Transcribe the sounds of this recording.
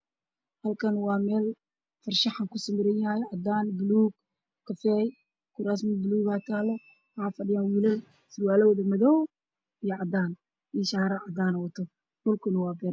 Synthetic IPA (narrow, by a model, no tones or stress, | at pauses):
hɐlkʰɐnwɑːmɛːl | fɐrʃɐħaŋkʰʊsɪmɪɾɛjaːjʕɑd̪aːnbʊluːɡ | kʰːɐfɛːj | kʰʊɾas̬mɪbɪluːɣaːt̪ʰaːlɔ | haːfɐɖɪjaːnwiːlɐl | sɪrwaːlɔwðɐmɐðɔw | ijɔʕɑd̪aːn | iʃaːɾɐʕɑd̪aːnɐwɐt̪ʰɔ | bʊlkʰʊnɐwaːɡɐ